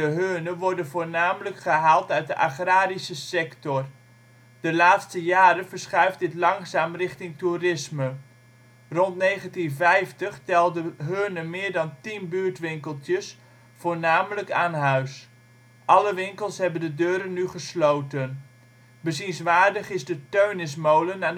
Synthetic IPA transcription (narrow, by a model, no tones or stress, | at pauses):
dəɦøːnəʋɔɹdənvoːɹnaːmələkχəɦaːlˠtœɥ̚dəʔaχraːɾisəsɛktɔr | d̥əlaːtstəjaːɾəvəɹsχɛɥfdɪtlɑŋsaːmrɪχtɪŋturɪsmə | rɔntnejχəntinvɛjftəχtɛlˠdəɦøːnəmɪːɹdɑntinbyːɹtʋɪŋkəlˠtjəs | fʊːɹnaːmələkaːnɦœɥs | ʔɑləʋɪŋkəlˠsɦɛbəndədøːɾənːyχəslowtən | bəzinsʋaːɹdəχɪzdətøɥnɪs̬mowlənaːn